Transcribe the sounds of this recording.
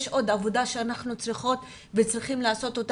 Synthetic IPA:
ʃʔo̞d̪avo̞daʃeanaχnut͡sʁiχo̞t̪ | vet͡sʁiχimlaːso̞t̪o̞t

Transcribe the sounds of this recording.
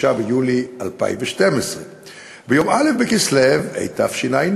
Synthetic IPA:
abejulia̰lpa̰ḭmveʃtemesʁe | bejo̞malefbekislevḛjt̪a̰fʃinajn

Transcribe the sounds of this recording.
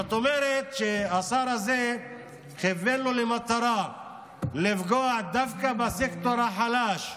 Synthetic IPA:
at̪omeɾet̪ʃeasaɾaze | χevelulimat̪aɾa | lifɡoaʕd̪avkabasekt̪oɾaħalaʃ

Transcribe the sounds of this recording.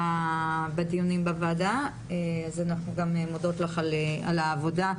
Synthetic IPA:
abedijunimbavaːda | eazanaχnuɡamemodo̞tlaχalea̰laːvo̞da

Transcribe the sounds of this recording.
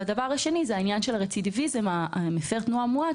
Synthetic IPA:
ad̪avaʁaʃe̞nizeainjanʃelʁet͡sid̪ivizemamefeʁt̪nuamua

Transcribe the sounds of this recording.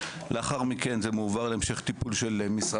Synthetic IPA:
lʔeaχaʁmike̞nzemeuvaʁleemʃeχt̪ipulʃelmisʁa

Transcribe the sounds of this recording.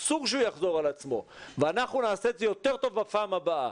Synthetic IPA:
suʁʃeujaχzo̞ʁalat͡smo̞̰ | veanaχnunaːset̪zejo̞t̪e̞ʁt̪o̞vbapaːmhabaa̰

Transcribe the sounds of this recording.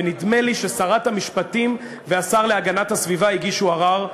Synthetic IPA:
enid̪me̞liʃe̞saʁat̪hamiʃpatim | veasaʁle̞aɡanathasvivaiɡiʃuaʁaʁ

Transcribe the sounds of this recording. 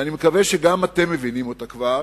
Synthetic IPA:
animekaveʃeɡamate̞mːe̞vinimotakvaʁ

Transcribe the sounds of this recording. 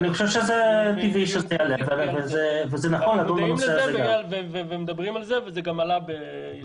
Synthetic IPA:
aniχoʃevʃezet̪iviʃezejalevvezevezenaχo̞nlad̪umbanoseazeɡavevevemed̪abʁimalzevezeɡamalabe

